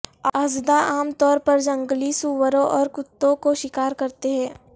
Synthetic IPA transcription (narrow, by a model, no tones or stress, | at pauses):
ɐzd̪aaːmt̪ɔːɾpɐɾd͡ʒɐ̃ŋɡlisuːʋəɾõʔɔːɾkʊt̪ːõkoʃɪkaːɾkɐɾt̪eɦɛ̃ː